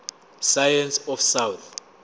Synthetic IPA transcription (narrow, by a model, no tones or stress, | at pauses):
sajãnsɔfsawt̪